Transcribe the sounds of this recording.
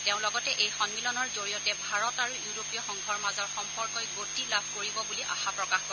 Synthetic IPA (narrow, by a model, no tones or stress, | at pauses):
teʊ̃lɔɡɔtɛʔejxɔnmilɔnɔɹzoɹiɔtɛbʱaɹɔtaɹujuɹopijɔxɔŋɡʱɔɹmazɔɹxɔmpɔɹkɔjɡotilabʱkoɹibɔbuliʔa̰xapɹɔkaxkɔ